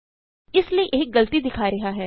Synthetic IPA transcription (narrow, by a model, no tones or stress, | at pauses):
ɪslieʔeːɪk̚ɡɐlt̪id̪ɪkʰaːiɾɐɦaɦɛː